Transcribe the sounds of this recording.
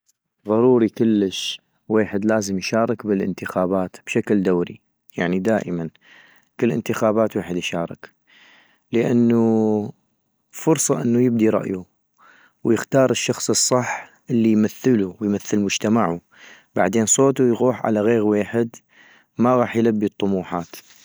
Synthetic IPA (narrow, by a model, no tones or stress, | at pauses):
ðˤɑɾˤuːɾikʊlːəʃ | weːħɪd̪laːzəmjʃɑːɾˤɑkbɪlʔɪ̰nt̪ɪxaːbaːt̪b̥ʃakld̪awɾḭ | jaʕnid̪aːʔəman | kɪlːʔɪ̰nt̪ɪxaːbaːt̪weːħəd̪jʃɑːɾˤɑ̰k | ləʔanːu | fʊɾsˤɑʔɪnːujɪb̚d̪iɾˤɑ̰ʔju | wjɪxt̪ɑːɾˤɪʃːɑxsˤɨsˤːɑħ | ʔɪlːijmaθːəluwjmaθːəlmʊd͡ʒt̪amaʕu | ba̰ʕd̪eːnsˤoːt̪ujɣuːħʕa̰laɣeːɣweːħɪd̪ | maɣɑːħjlabːit̪ˤːʊmuːħaːt̪